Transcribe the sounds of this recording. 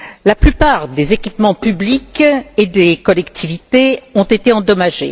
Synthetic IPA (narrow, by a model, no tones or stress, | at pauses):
laplypaʁd̪ezekʲipmɑ̃pybliked̪ekɔlɛkt̪ʰivit̪eɔ̃t̪et̪eɑ̃d̪ɔmaʒḛ